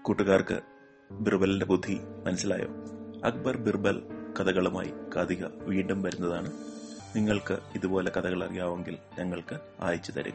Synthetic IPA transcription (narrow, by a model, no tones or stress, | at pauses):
kuʈːuɣaːrkɨ̰ | birbɐlinde̞bud̪ʱːimɐnɐsila̰ːjo̰ːɐ̰k̚bɐrbirbɐlkɐðɐɣɐɭuma̰ːjḭkɐd̪iɣɐ̰ʋiːɳɖumʋɐɾunːɐðaːɳɨ | niŋːɐɭkɨiðubo̞ːle̞kɐd̪ðɐɣɐɭɐrijaːʋeŋɡilɲɐŋːɐɭkɨ | a̰ːjit͡ɕːut̪ɐ̰ɾṵɣɐ